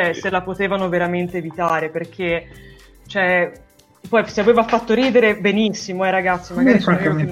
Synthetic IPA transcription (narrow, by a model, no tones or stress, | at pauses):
ɛselapot̪eːvanoveɾament̪eːvit̪aːɾeperk̟ʰe | t͡ʃoɛ | pɔjseaveːvafat̪ːoɾiːd̪eɾebenisːimoɛɾaɡat̪sːimaɡaːive